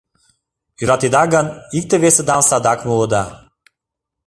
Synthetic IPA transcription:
yɾɑt̪id̪ɑɡənik̚t̪eβesə̆d̪ɑmsɑd̪ɑkmuləd̪ɑ

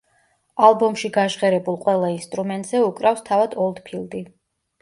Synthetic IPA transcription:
alˠbɔmʃiɡaʒʁɛɾɛbulˠqʼwɛlˠainst̪ʼɾumɛnt̪ʼz̥ɛukʼɾafst̪ʰavad̪ɔlˠd̪pʰilˠd̪i

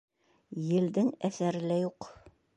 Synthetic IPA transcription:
jɘ̆ld̪ɘŋæθæɾɘ̆læjuq

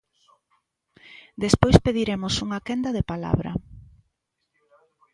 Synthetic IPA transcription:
d̪espojspeðiɾemʊsuŋakɛnd̪ɐðepala̰βɾɐ̰

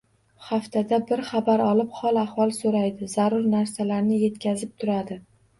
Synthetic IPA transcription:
χaft̪ʰad̪abɪɾχabaɾɒlɪpχɒlˠaχvɒlˠsoɾajd̪ɪzaɾʊɾnaɾsalaɾnɪje̞t̪kʲazɪp̚t̪ʰʊɾad̪ɪ

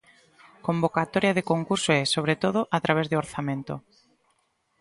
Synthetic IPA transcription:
kombokat̪oɾjaðekoŋkuɾsoɛsoβ̞ɾet̪oð̞oʔat̪ɾaβ̞ezðeoɾθamẽnt̪ʊ

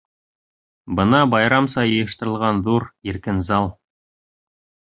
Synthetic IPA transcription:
bɤ̆nɑbɑjɾɑmsɑjɤ̆jɤ̆ʃt̪ɤ̆ɾɤ̆lˠʁɑnðuɾiɾkɘnzɑlˠ

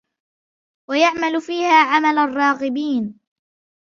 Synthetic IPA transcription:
wajaʕmalʊfiːhaːʕamalarˤːɑːɣɪbiːn

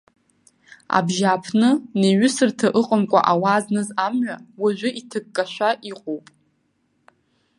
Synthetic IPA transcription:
a̰bʒaːpʰnɨneɥʏsɨrtʰaʔɨqʼəmkʷʼa̰ʔawaznɨzamɥʷawaʒʷᶣʊʔitʰɨɡːʼaʃʷᶣaʔiqʼowpʼ

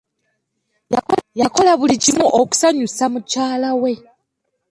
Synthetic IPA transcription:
jako̞laβulicimuʔoku̥saɲusamucaːlawe̞

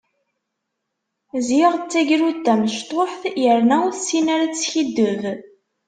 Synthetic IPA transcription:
zjiʁt͡sːæʝɾut̪ːæməʃt̪ˤoħθjəɾnæwθsinæɾat͡sːçid̪ːəv

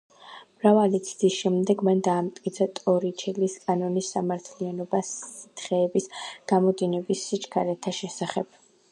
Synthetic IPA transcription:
mɾavalit̪sʰd̪isʃɛmd̪ɛɡmand̪aːmt̪ʼkʼit̪sʰat̪ʼɔɾit͡ʃʰɛliskʼanɔnisːamaɾt̪ʰlianɔbasit̪ʰχɛːbisɡ̥amɔd̪inɛbisːit͡ʃʰkʰaɾɛt̪ʰaʃɛsaχɛb̥

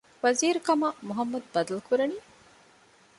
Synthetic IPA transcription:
ʋɐziːɾukɐmamuɦɐmːɐd̪̚bɐd̪ɐlukuɾɐniː

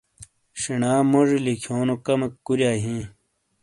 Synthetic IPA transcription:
ɕinaːmoʐilikʰoːnokɐmekkuɾjaːɦĩː

